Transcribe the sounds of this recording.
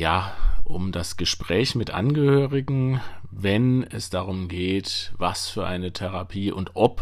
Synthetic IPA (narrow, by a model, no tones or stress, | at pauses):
jaːʔʊmdasɡ̥əʃpʁ̥ɛːçmɪtʔa̰nɡəhøːʁɪɡŋ̩vɛnɛsd̥aʁʊmɡeːtvasfyːɐʔaɪnətʰɛʁapʰiːʔʊntʔɔp